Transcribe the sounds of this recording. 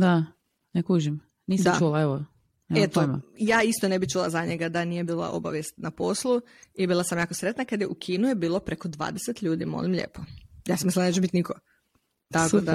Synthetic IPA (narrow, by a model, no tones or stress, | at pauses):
d̪a | nekuʒim | niːst͡ʃulaeʋo | eet̪omojaːist̪onebit͡ʃulˠa̰zaɲeɡad̪anijebiːlˠa̰ʔo̞̰ba̰ʋjest̪naposlˠu | ibiːlˠasamjaːkosɾet̪nakad̪jeʔukʰiːnujebiːlˠo̞pɾeko̞d̪ʋa̰ːd̪eset̪ʎuːd̪ḭmo̰limʎḛːpojaːsamisld̪net͡ʃebit̪niko | t̪akod̪a